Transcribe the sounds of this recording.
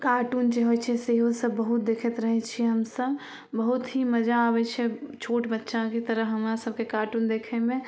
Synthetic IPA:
kaːʈuːnd͡ʒeɦot͡ʃʰɛseɦosəbːəɦʊt̪̚d̪eːkʰət̪ɾəɦɛt͡ʃʰieɦəmsəb | bəɦʊt̪ɦiməd͡ʒaːbɛt͡ʃʰɛt͡ʃʰoːʈbətːʃãket̪əɾəɦəmɾasəbkekaːʈuːnd̪eːkʰemẽ

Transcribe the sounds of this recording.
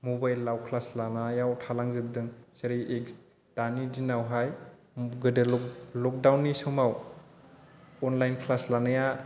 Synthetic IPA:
mubajlːawkʰlaslanajawtʰalaŋzɯbdɯŋseɾiʔeks | tanidinawɦaj | ɡɯdɯlɔk̚dawnːisɔmaw | ɔnlajnkʰlaslanaja

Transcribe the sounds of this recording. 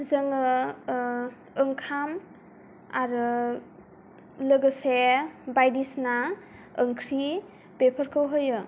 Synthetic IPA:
zɯŋɯ | ɯŋkʰam | a̰ɾɯ | lɯɡɯsebajdisna | əŋkʰɾi | bepʰəɾkʰɯwɦɯjɯ

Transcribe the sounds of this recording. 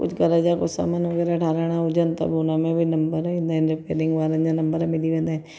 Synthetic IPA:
kʊ̰t͡ʃʰɡɐɾad͡ʒakʊsa̰ːmanʋɐɡɛːɾaɐʈʰaːɾaɽ̃ãʊd͡ʒənt̪ɐ̰bunamẽbʱinɐmbəɾɪ̃nd̪aɪ̃nɾəpḛːɾɪ̃ŋɡʋaːlə̃nd͡ʒanɐ̃mbəɾamɪliʋẽːnd̪aɛ̃

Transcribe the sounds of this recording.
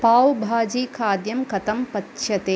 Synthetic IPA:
paːwbʱaːd͡ʒiːkʰaːd̪jɐmkɐt̪ɐmpɐt̪ʃʰɐt̪eː

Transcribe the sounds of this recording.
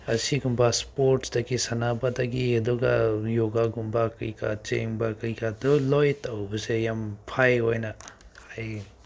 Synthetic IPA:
ɐsiɡumbaspoɾtsdɐɡisɐnabadaɡiedɔɡajoɡaɡumbakɯjka̰t͡ʃḛŋbakɐjkadɔlojtawbɐsejampʰajojnɐ | haj

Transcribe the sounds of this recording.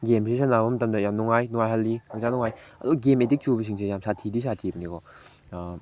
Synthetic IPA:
ɡemsesanabɐmɐtɐmdɐjamnuŋajnuŋajɦalːiak̚zanɔŋajɐ̰duɡɐɡemedik̚t͡ʃubɐs̬iŋs̬ʰejamsatʰidisatʰibɐnikɔ

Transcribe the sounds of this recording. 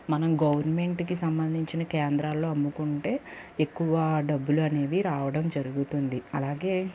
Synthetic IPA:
mɐnɐmɡɐʋɐɾnme̞ɳʈkisɐmbɐnd̪ʱiɲt͡ʃinɐkɛːnd̪ɾaːlːo̞ːɐmːukuɳʈe̞ːekːuʋɐɖɐbːuluɐne̞ːd̪iɾaːʋɐɽɐmd͡ʒɐɾuɡut̪und̪iɐlaːɡe̞ː

